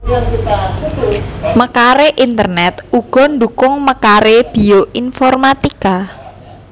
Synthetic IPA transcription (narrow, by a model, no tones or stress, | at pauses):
məkaɾeʔint̪ərnɛt̪ʔuɡ̥ɔ̤nd̪ukʊŋməkaɾeb̥i̤oʔinfɔrmat̪ika